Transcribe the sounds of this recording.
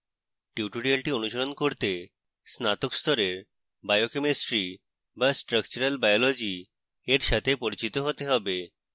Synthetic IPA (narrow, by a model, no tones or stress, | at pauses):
ʈiuʈoɽiəlʈionuʃoɾonkoɾt̪e | snat̪okst̪ʰɔɾeɾ | bajokemesʈɾi | basʈɾəkt͡ɕuɾəlbajɔlɔd͡ʑi | eɾʃat̪ʰepoɾit͡ɕit̪oɦot̪eɦɔbe